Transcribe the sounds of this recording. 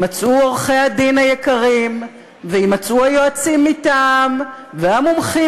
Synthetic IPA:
mat͡sʔuoʁχehad̪inajekaʁim | veimat͡sʔuajoat͡simːitam | veamomχi

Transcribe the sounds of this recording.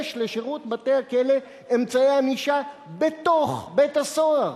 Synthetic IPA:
ʃleʃeʁut̪bateakele | emt͡saeamiʃabet̪o̞χbetasoaʁ

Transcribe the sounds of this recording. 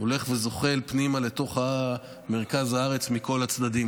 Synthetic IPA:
ole̞χvezo̞χe̞lpnimale̞t̪o̞χha | me̞ʁkazhaaʁe̞t͡smiko̞lat͡sd̪ad̪im

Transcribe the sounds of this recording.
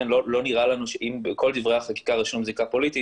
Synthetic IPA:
enlolo̞niʁalanuʃeʔimbko̞ld̪ivʁejaχaki̥kaʁiʃonmzikapo̞lit̪i

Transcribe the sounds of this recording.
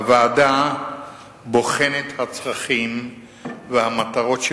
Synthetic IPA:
vaːda | bo̞χenet̪hat͡sʁaχim | vehamat̪aʁo̞tʃ

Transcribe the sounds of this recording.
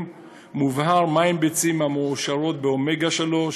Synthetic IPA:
muvhaʁmaimbet͡simameoʃaʁo̞t̪̚beome̞ɡaʃelo̞

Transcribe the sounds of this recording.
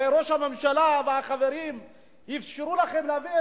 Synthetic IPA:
eɾoʃhamemʃalaveaχaveɾim | hifʃiɾulaχemleavie

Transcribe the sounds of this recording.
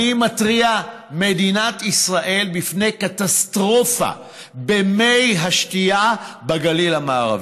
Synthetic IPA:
imat̪ʁia | me̞d̪inat̪isʁaʔe̞lbifne̞jkat̪ast̪ʁo̞fa̰ | bemejɦaʃtijabaɡalilhamaːʁa̰v

